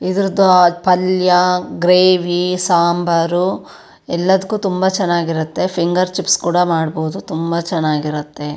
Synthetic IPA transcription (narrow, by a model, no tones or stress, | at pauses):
id̪ɾɐd̪upɐljɐɡɾeːʋisaːmbɐɾu | ɛlːɐd̪ɐkːuːt̪umbɐt͡ʃɛnːaːɡiɾut̪ːe̞pʰiŋɡɐɾt͡ʃipskuːɽɐmaːɽboːud̪ut̪umbɐt͡ʃɛnːaːɡiɾut̪ːe̞